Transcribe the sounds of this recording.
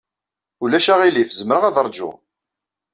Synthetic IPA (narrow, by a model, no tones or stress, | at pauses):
ulæʃæʁilifzəməɾəʁæðɾˤd͡ʒʊ̰